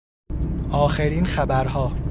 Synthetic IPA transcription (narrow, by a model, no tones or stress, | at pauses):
ʔɒːxeɾiːnxæbæɾhɒː